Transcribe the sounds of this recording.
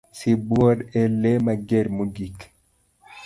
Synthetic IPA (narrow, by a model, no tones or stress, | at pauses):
sibɔɾɛlemaɡeɾmuɡik